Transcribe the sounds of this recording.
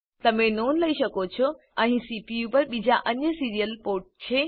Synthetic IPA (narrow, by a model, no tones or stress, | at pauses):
t̪ɐm̤ẽnoːnlɐiʃɐkot͡ɕʰo | ɛ̃ĩsipijupɐɾɓid͡ʑaʔɐɲəsiːɾijəlpoːɾʈ̚t͡ɕʰeː